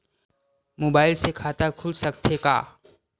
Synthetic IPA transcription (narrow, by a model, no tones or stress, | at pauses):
moːbaːɪlsekʰaːt̪akʰʊlsəkt̪ʰeka̰ː